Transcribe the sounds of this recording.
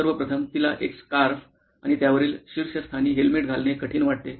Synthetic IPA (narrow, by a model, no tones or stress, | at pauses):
əɾʋəpɾət̪ʰəmt̪ila̰ʔekskaɾf | a̰ɽ̃it̪jaʋəɾiːlɕiɾɕəst̪ʰaniːɦelmiʈ̚ɡʱalnekəʈʰiːnʋaʈ̚t̪e